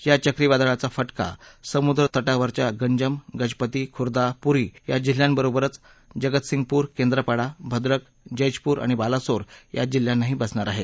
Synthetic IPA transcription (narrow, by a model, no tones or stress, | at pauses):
jat͡ɕəkɾiʋad̪aɭat͡safəʈka̰səmud̪ɾət̪əʈaʋəɾt͡ɕjaɡəɲd͡ʑəmɡəd͡ʑpət̪iːkʰuɾd̪apuɾiːjad͡ʑil̤jãmbəɾobəɾət͡s | d͡ʑəɡət̪siŋɡ̚puːɾkend̪ɾəpaɽabʱəd̪ɾək | d͡ʑəjd͡ʑpuːɾʔa̰ɽ̃ibalasoɾja̰d͡ʑilːjãnːaɦiːbəsɳaɾaɦe